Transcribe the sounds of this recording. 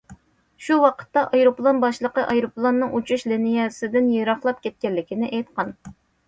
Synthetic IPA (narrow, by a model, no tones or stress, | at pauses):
ʃuwɑqʰə̥t̪ːɑʔɑjɾoplˠonbɑʃlˠəqəʔɑjɾoplˠonːɨŋʔut͡ʃʰuʃlenijɛsɪd̪ɪnjeɾɑχlˠɑp̚kʲʰɛt̪̚kʲɛlːɪkʲinɪʔɛjt̪qɑn